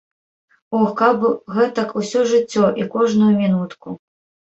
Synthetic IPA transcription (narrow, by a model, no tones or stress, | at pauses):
ɔxkabɣɛt̪ɐkusʲɔʐɨt͡sʲːɔʔikɔʐnujumʲinut̪ku